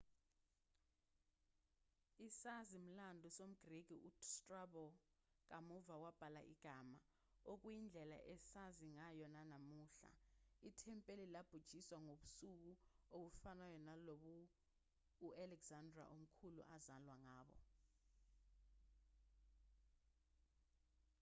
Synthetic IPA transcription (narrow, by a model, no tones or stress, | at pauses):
isazim̩landʱusom̩ɡ̥riɡ̥ʱiʔustʼrabɔ | k̬ʼamuvawab̥ʱala̰ʔiɡ̥ʱama | ok̬ʼwjind͡ɮʱɛla̰ʔɛsaziŋajɔnanamuːɬa̰itʰɛmpʼelilab̥ʱud̥ʒ̥ʱiswaŋoɓusuk̬uoɓufanajɔnaloɓuː | alɛɡz̥andra̰ʔom̩kʰulṵʔazalwaŋaːɓɔ̰